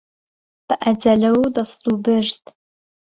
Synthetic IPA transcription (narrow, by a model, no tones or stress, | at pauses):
pʰɨʔɐd͡zɐɮɐwwdɐstʼuːbɨrtʰʼ